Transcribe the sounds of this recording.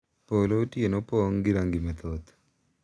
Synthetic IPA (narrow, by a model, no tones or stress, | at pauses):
polootjenopɔŋɡiɾaŋɡimɛt̪ʰɔt̪